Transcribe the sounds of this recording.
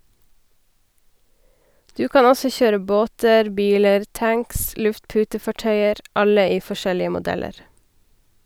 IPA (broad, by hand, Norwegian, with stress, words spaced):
ˈdʉː ˈkɑːn ˈɔsɔ ˈçøːɾə ˈboːtəɾ ˈbiːləɾ ˈtæŋks ˈlʉftˌpʉːtəfɑˌʈœʏəɾ ˈɑlə ˈiː fɔˈʃɛlɪə mʊˈdɛləɾ